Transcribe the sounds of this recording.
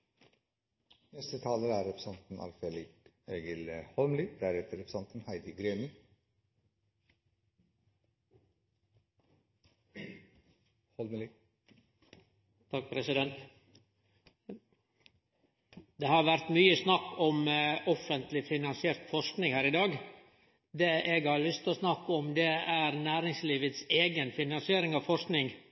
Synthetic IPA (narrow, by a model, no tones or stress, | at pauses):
nɛst̪ət̪ʰɑːləɾəæɾɛpʰɾəsɑnt̪nʔɑ̰lfelɪk | eːɡəlhɔlməlid̪æɾɛt̪ʰəɾɛpɾə̥sɑnt̪nhæɪd̪ɪɡɾeːmɪ | hɔlmli | ɑpʰɾɛsɪd̪ɛnt̪ | d̪ɛhɑɾʋæɾt̪myːəsnɑkːɔmɔfənt̪lɪfɪnɑnsɪeːɾt̪fɔʂknɪŋhæːɾɪd̪ɑːɡ | d̪eːʔeɡhɑɾlʏst̪osnɑkːɔmd̪ɛæɾnæːɾɪŋsliːʋət̪seːɡənfɪnɑnsɪeːɾɪŋɑʋfɔʂknɪŋ